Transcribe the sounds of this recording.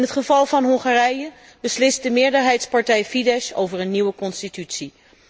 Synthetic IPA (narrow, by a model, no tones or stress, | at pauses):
nɦətχəvɑlˠvɑnɦɔŋχarɛjə | bəslɪst̚dəmɪːɹdəɹɦɛjtspɑɹtɛjfidɛʃo̰wvəɹənːiwəkɔnstitytsi